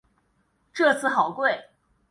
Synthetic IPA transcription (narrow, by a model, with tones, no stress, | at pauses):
ʈ͡ʂɤ˥˧t͡sʰɹ̩˥˩xɑ˨˩ʊkwe˥˩ɪ